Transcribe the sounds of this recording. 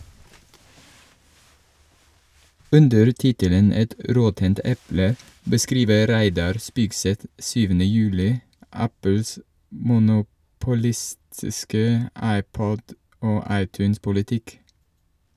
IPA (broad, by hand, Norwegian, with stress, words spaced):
ˈʉndəɾ ˈtɪtələn ˈɛt ə ˈɾɔtənt ˈʔɛplə bəˈskɾiːʋə ˈɾæɪdɑɾ ˈspiːɡsɛt ˈsyːʋənə ˈjʉːlɪ ˈʔæpl̩s mʊnʊpʊˈlɪstɪskə ˈɑɪˌpɔd ˈoː ˈɑɪˌtʉːnspʊlɪˌtɪk